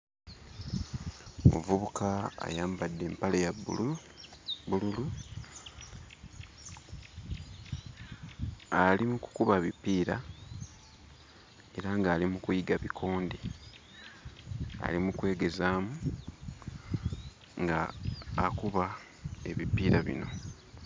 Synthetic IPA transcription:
mṵvuβukaa̰jaːmbadːe̞ːmpalejabṵlu | bululu | alimuku̥kuβaβipiːɾa | e̞ɾaŋɡaːlimukujiɡaβikʰo̞ːnde | a̰limukwe̞ːɡe̞zaːmu | ŋɡaː | kuβa | e̞βipiːɾaβḭno̞̰

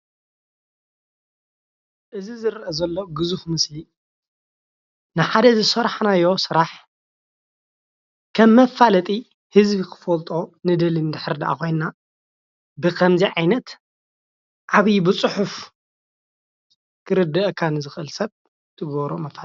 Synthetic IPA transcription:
ʔɨzizɨɾʔɐzɐlːoɡɨzuxmɨsli | nɨħad̪ɐzɨsɐɾaħnajːo̞sɨɾaħ | kʰɐmːɐfːalɐt̪ʼi | hɨzbikʰɨ̥fɐlt̪ʼo̞nɨd̪ɐlinɨd̪ɨħɨɾd̪ɐʔa̰kʰo̞jnna | bɨkʰɐmziʕajnɐt̪ | ʔaβijbɨt͡sʼɨħuf | kʰɨɾɨd̪ːɐʔkʰanɨzɨxʔɨlsɐβ | t̪ʰɨɡɐβɾomɐfa

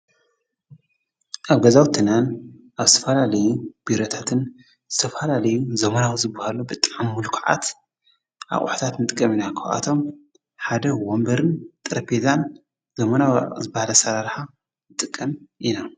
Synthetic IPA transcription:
ʔaβɡɐzawt̪ʰɨnanʔaβzɨt̪ʰɐfɐlalɐjub̥iɾo̞t̪ʰḁt̪ʰɨn | z̥ɨt̪ʰɐfɐlalɐjuzɐmɐnawzɨbːahalubɨt̪ʼaʕamːulkʰʕa̰t̪ | ʕa̰χʼṵħt̪ʰat̪nɨt̪ʼɨkʼːɐminakʰɐʔa̰t̪ʰo̞m | ħad̪ɐwombɐɾɨnt̪ʼɨɾɐpʰezan | zɐmɐnaw̰zɨbahalɐsɐɾaɾħa | ɨt̪ʼɨkʼːɐmʔina

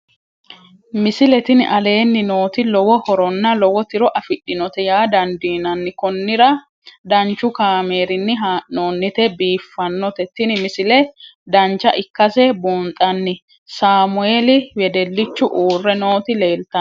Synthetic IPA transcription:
mɪsɪlɛt̪ɪnɪ̰ʔɐle̞ːnːɪno̞ːt̪ɪlɔwɔhɔɾɔnːɐlɔwɔt̪ɪɾɔʔɐfɪɗːɪnɔt̪ɛjaːd̪ɐnd̪iːnɐnːɪkɔnːɪɾɐ | d̪ɐnt͡ʃːʊkaːme̞ːɾɪnːɪɦaːʔnoːnːɪt̪ɛbiːfːɐnːɔt̪ɛt̪ɪnɪmɪsɪlɛd̪ɐnt͡ʃːɐʔɪkːɐsɛboːnt̪ʼɐnːɪ | saːmʊeːlɪwɛd̪ɛlːɪt͡ʃːʊʔuːrːɛno̞ːt̪ɪleːlt̪ɐ

